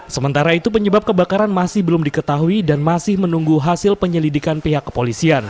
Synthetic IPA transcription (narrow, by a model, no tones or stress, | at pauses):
səmənt̪aɾait̪upəɲəbap̚kəbakaɾanmasɪhbəlʊmdikət̪aɦuidanmasɪhmənuŋɡuɦasɪlpəɲəlidikanpiɦakːə̥polisian